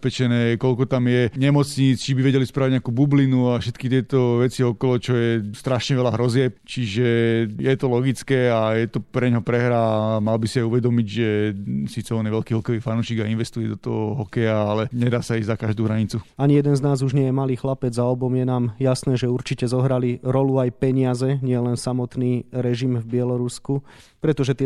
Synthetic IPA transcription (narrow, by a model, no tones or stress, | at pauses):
pɛt͡ʃɛnɛːkɔlkɔt̪amjɛɲɛmɔt͡sɲit͡st͡ʃibiʋɛɟɛlispɾaːʋiɟɲakuːbublinuafʃɛt̪kit̪ɪɛt̪ɔʋɛt͡siɔkɔlɔt͡ʃɔjɛst̪ɾaʃɲɛʋɛlaɦɾɔzɪɛp̚t͡ʃiʒɛjɛt̪ɔlɔɡit͡skɛːajɛt̪ɔpɾɛɲɦɔpɾɛɦɾaːmalbisiajuʋɛd̪ɔmiɟʒɛsiːt͡sɛɔniʋɛlkiːɦɔkɛʋiːfanuːʃiːɡainʋɛst̪ujɛd̪ɔt̪ɔɦɔɦɔkɛjaalɛɲɛd̪aːsaizakaʒd̪uːɦɾaɲit͡suaɲijɛd̪ɛnznaːzuʒɲɪɛjɛmaliːxlapɛd͡zaɔbɔmjɛnaːmjasnɛːʒɛuɾt͡ʃicɛzɔɦɾaliɾɔluajpɛɲɪazɛɲɪɛlɛnsamɔt̪niːɾɛʒimvbɪɛlɔɾusku | pɾɛt̪ɔʒɛt̪ɪɛ